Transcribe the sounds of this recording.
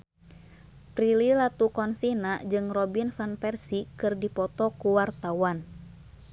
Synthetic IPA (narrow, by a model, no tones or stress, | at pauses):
pɾililat̪ukɔnsinad͡ʒɨŋrɔbinfanpɛrsikɨrdipɔt̪ɔkuwart̪awan